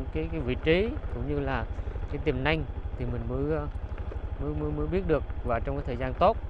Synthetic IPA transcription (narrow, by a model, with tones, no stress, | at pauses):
kaː˨˦jkaː˨˦jvḭ˧˨t͡ɕi˨˦kʊ̰˧˥ŋ͡mɲɨ˧laː˨˩kaː˨˦jt̪i˨˩mna˧jŋ̟t̪ʰi˨˩mï˨˩ŋ̟mə˨˦˧mɨ˧˦mə˧˦məː˨˦ɓi˦˥ət̚ɗɨ˨˩ək̚vaː˨˩t͡ɕɔ˧wŋ͡mkaː˨˦t̪ʰːzaː˧nt̪o˦˥t̚